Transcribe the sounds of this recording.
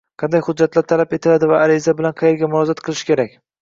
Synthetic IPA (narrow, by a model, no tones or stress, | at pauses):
qʰɑnd̪ajhʊd̪̚d͡ʒːat̪laɾt̪ʰalape̞t̪ʰɪlad̪ɪvaːɾɪzabɪlanqʰɑjeɾɡʲamʊɾɒzat̪qʰɨlˠɪʃɪ̥kʲe̞ɾakʲ